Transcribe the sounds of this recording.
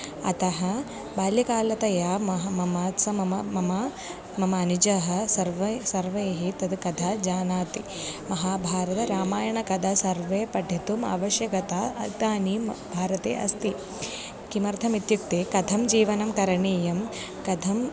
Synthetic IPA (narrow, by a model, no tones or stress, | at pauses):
ɐ̰t̪ɐɦɐ | baːljɐkaːlɐt̪ɐjaːmɐɦɐmɐmaːt̪sɐmɐmɐmɐmɐ | mɐmɐːnid͡ʒɐɦɐ̆sɐɾʋɐsɐɾʋeːɦit̪ɐd̪kɐd̪ʱaːd͡ʒaːnaːt̪i | mɐɦaːbʱaːɾɐt̪ɐɾaːmaːjɐɳɐkɐd̪ʱɐsɐɾʋeːpɐʈʰit̪uma̰ːʋɐʃjɐkɐt̪aɐt̪aːnimbʱaːɾɐt̪ḛːʔɐ̰st̪i | kimɐɾt̪ʰɐmit̪juk̚t̪eːkɐd̪ʱɐmd͡ʒiːʋɐnɐmkɐɾɐɳiːjɐm | kɐd̪ʱɐm